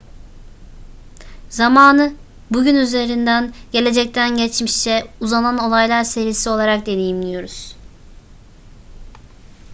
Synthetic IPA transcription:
zamaːnɯ | buɟynyze̞ɾind̪ænɟ̥e̞lʲe̞d͡ʒɛc̚t̪ʰænɟɛt͡ʃmiʃt͡ʃɛuzanano̞lˠajlˠaɾse̞ɾisio̞lˠaɾak̚d̪e̞d̪ejimd̪ijo̞ɾuz̥

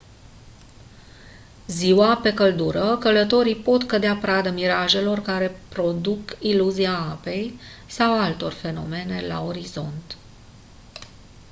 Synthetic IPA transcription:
ziwape̞kəld̪uɾəkələt̪o̞ɾipo̞t̪kəd̪eapɾad̪əmiɾaʒe̞lo̞rkaɾe̞pɾo̞d̪ukiluziaape̞jsawalt̪o̞̰rfe̞no̞̰me̞ne̞la̰o̞ɾizo̞̰nt̪

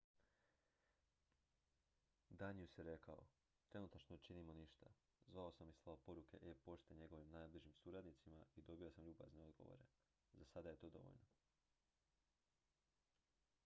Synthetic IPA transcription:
d̪aɲijusjeɾe̞kao̰ | t̪ɾe̞nut̪at͡ʃnot͡ʃinimoniʃt̪a | zʋao̞samislˠaopo̞ɾuke̞ʔepo̞ʃt̪eɲe̞ɡo̞ʋimnaːjbliʒimsuːɾad̪nit̪simaid̪o̞biosamʎuːba̰zneo̞d̪ɡo̞ʋo̰ɾe̞ | zasad̪aje̞t̪o̞ːd̪o̞̰o̰ʎno

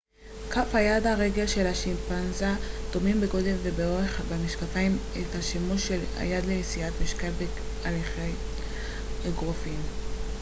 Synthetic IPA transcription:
kafhajad̪aʁe̞ɡelʃe̞lhaʃimpanzad̪o̞mimbeɡo̞d̪elvebeoʁeχbemiʃkafaimethaʃemuʃela̰jad̪leisiat̪miʃkalbe | aliχej | ɡʁofim

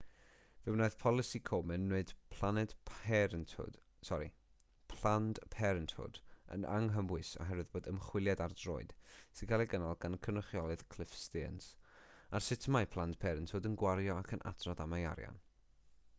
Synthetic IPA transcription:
vɛwnoɨðpʰɔlˠɨsikʰoːmɛnːeɨd̥pʰl̥ˠanɛd̥ʰhɛɾəntʰʊ̰d̥ | sɔɾḭ | pʰl̥andpʰɛɾəntʰʊ̰də̰na̰ŋɦəmwɨsɔ̰ɦɛɾwɨðboːdəmχwɪlˠjadardro̰ːɨd̥sɨɡalˠiɡənalˠɡankʰənəχjɔlˠɨð̥kʰl̥ɪfstiə̰nsarsɪtʰəmajpʰlˠand̥pʰɛɾəntʰodənɡwaɾjɔakʰənʔa̰tʰrɔðamaja̰ɾja̰n

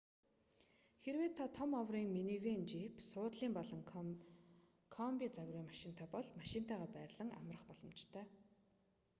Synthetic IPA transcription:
xeɾweːt̪ʰːat̪ʰɔmawriːŋminiweːnt͡ɕipsʊːt̪ɮiːmpɔɮɞ̆ŋ | kʰɔmpʲiːt͡saɣriːmaʃɪ̆n̥t̪ʰaːpɔɮmaʃɪnt̪ʰaːʁaːpæːrʲɮə̆ŋa̰mrə̆χpɔɮɞ̆mt͡ɕt̪ʰœː

